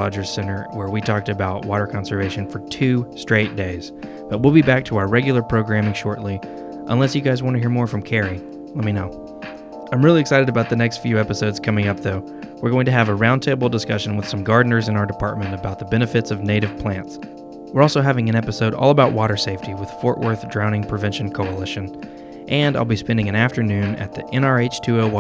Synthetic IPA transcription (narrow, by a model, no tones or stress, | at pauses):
ɑd͡ʒə˞z̥sɛ̃ñə˞wə˞witʰɔk̚tɨbaʊt̚wɔɾə˞kʰɑ̃nsə˞veɪʃɨ̃nfə˞tʰʉstɹ̥eɪt̚d̥eɪz̥ | b̥ʌt̚wilˠbibæk̚tʰəaʊə˞ɹɛɡjl̩ˠə˞pʰɹ̥oʊɡɹæ̃mɪ̃ŋʃɔɹʔˡli | ʔə̰̃nlɛsjɨɡaɪzwɑ̃ntɨhiɹmɔɹfɹʌ̃mkʰɛɹi | lɛt̚minoʊ | ãɪ̃mɹɪlˠiɨksaɪɾɨɾɨbaʊt̪̚ðɨnɛkstfjʉɛpɨsoʊdz̥kʰʌmɪ̃ŋʌp̚ðoʊ | wəɹɡoʊɪ̃ŋtʰɨːvəɹãʊ̃ntʰeɪbl̩ˠdəskʌʃɨ̃nwəð̥sʌ̃mɡɑɹdⁿn̩ə˞zɨ̃naʊə˞dɨpʰɑɹt̚mɨ̃ntɨbaʊt̪̚ðəbɛñɨfɨtsʌvneɪɾɨv̥pʰl̥æ̃nts | wəɹɔlˠsoʊɦævɪ̃ŋɨ̃ñɛpɨsoʊɾɔ̰lˠəbaʊʔ̚wɔɾə˞seɪftiwɨð̥fɔɹʔwʔɜ̰˞θdɹãʊ̃nɪ̃ŋpʰɹ̥ɨvɛ̃nʃn̩kʰoʊəlɪʃɨ̃n | ʔɨ̃naɪlˠbispɛ̃ndɪ̃ŋɨ̃næftə˞nʉ̃nɨ̰t̪̚ðiʔɛ̃nɑɹeɪt͡ʃtʰʉoʊ